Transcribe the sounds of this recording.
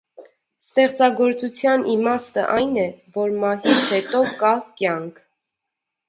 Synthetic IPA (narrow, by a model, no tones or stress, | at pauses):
st̪ɛχt͡sɑɡɔɾt͡sut͡sʰjɑnʔimɑst̪ə̰ʔɑjnɛvɔɾmɑɦit͡sʰhɛt̪ɔkɑkjɑŋkʰ